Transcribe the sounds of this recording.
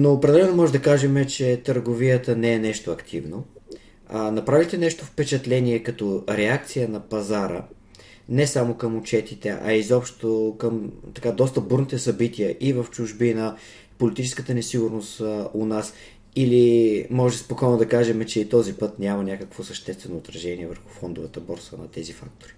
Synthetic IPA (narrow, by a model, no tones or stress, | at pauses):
noːpɾɛd̪ɛlɛnomɔʒɛd̪ɐkaʒɛmɛt͡ʃɛt̪əɾɡovijət̪ənɛɛnɛʃt̪oɐkt̪ʰivno | anɐpɾavit̪ɛnɛʃt̪ofpɛt͡ʃɐt̪lɛniɛkɐt̪ɔɾɛak̚t̪sijənɐpɐzaɾə̰ | nɛsamokəmʊt͡ʃɛt̪it̪ɛ̰ʔɐ̰izɔpʃt̪okəmt̪ɐkad̪ɔst̪əbuɾnit̪ɛsɐbit̪ijəʔivəft͡ʃʊʒbinɐ | polit̪it͡ʃɛskət̪ənɛsiɡʊɾnost̪onas | ilimɔʒɛɛspokɔjnoʊd̪ɐkaʒɛmɛt͡ʃɛit̪ɔzipɤt̪nʲamɐnʲakəkvosɐʃt̪ɛst̪vɛnoːt̪ɾɐʒɛniɛvəɾxu̥fɔnd̪ʊvɐt̪əbɔɾsvənɐ̰t̪ɛzifa̰k̚t̪o̥ɾi